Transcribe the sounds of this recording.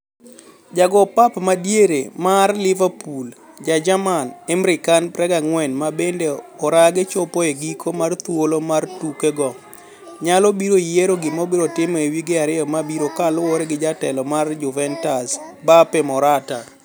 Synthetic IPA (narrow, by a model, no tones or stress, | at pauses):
d͡ʒaɡɔpapmadjeɾemarlɪvapul | d͡ʒad͡ʒamanemɾɪkanpɾɛɡaŋwɛnmabendeɔɾaɡɪt͡ʃopoeɡikʰomart̪wolomartukeɡɔ | ɲalɔbiɾoijeɾoɡɪmɔbɪɾotɪmewiɡɪaɾɪɔmabiɾokalʊwoɾeɡɪd͡ʒatɛlɔmard͡ʒʊvɛntasbapɛmɔɾata